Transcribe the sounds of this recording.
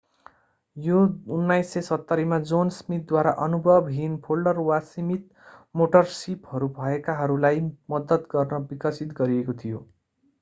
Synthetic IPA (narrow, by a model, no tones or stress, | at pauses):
jounːajsːesʌt̪ːʌɾimad͡zonsmit̪̚d̪waɾaʔʌnubʱʌbɦinpʰolɖʌrwasimit̪̚ | moʈʌrsiphʌɾubʱʌekaɦʌɾulajmʌd̪ʌt̪ɡʌrnʌbikʌsit̪ɡʌɾiekot̪ʰijo